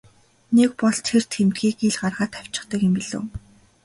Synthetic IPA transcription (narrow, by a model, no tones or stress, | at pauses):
nekpɔɮt̪ʰer̥t̪ʰxemt̪ɡiːkeɮɢarʁaːt̪ʰaw̥ʲt͡ɕɪ̥̆χt̪ə̆kɪmpiɮo̰ː